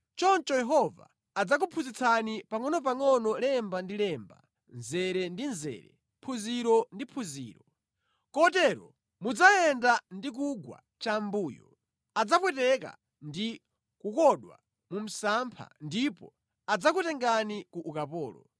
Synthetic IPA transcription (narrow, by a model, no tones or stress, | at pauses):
t͡ʃɔnt͡ʃɔjɛɦɔva̰ː | d͡zak̬upʰuzit͡sʰanipaŋɔnɔp̬aŋɔnɔlɛmbandilɛːmba̰ | nzɛɾɛndinzɛ̰ːɾɛ̰ | pʰuziɾɔndipʰuzḭːɾɔ | kɔtɛːɾɔ | mud͡zajɛndandik̬uɡwa̰ | t͡ʃambuːjɔ̰ | ad͡zapwɛtɛka̰ | ndi | kukɔɗwa̰ | mum̩sampʰa̰ndipɔ | ad͡zakutɛŋɡanikuʔːkapɔːlɔ̰